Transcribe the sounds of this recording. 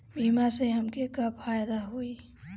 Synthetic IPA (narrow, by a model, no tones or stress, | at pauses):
bʱiːmaseɦəmkekapfʰaːjd̪aɦui